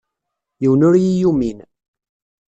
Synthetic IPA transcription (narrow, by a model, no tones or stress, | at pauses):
jiwnʊɾjijumin